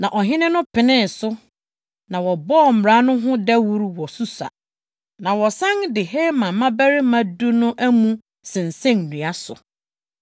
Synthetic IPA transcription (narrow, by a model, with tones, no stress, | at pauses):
nã˨ʔɔ˨ɦɪ̃˦nɪ̃˦nʊ̃˦pʰɪ˨nɪ̃˦sʊ˦ | nã˨wɔ˨bɔː˦˨m̩˨m˨ɾa˦nʊ̃˦ɦʊ̃˦da˦wu˦ɾu˦wɔ˨su˦sa̰˨ | nã˨wɔ˨sã˦ŋdɪ˨ɦɛ˦mã˨mã˦bæ˦ɾɪ˦mã˨du˦nʊ̃˦ʔæ˦mũ˦ | sɪ̃˨n̩˨sɛ̃˦˨n˨nu˨a˦sʊ̰˨